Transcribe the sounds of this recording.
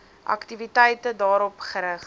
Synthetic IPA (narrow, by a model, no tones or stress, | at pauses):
ʔɐ̰ktivitɛjtədɑːɾɔpχəɾəχ